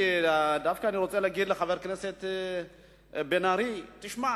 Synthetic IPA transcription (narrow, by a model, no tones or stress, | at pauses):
d̪afkaːniɾot͡sʼelaɡidleχaveɾkneset̪ | benaɾit̪iʃma